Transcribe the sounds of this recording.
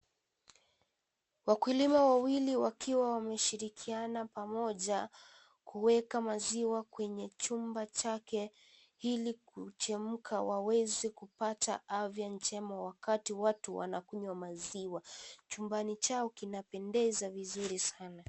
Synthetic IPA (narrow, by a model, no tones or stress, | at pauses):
wakulimawawiliwakʰiwawamɛʃiɾikʰianapamɔʄa | kuwɛkamaziwakwɛɲɛt͡ʃumbat͡ʃakɛ | hilikut͡ʃɛmm̩kʰawawɛzɛkupataʔavjant͡ʃɛmawakatiwatuwa̰nakuɲwamaziwat͡ʃumbanit͡ʃaɔkinapɛndɛzavizuɾisana